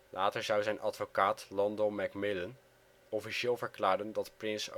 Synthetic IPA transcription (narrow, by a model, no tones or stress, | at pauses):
lʔaːtəɹzɑwzɛjnʔɑdfokaːtlɑndowmɛkmɪlən | ɔfiʃɪːlˠvəɹklaːɹdəndɑtprɪns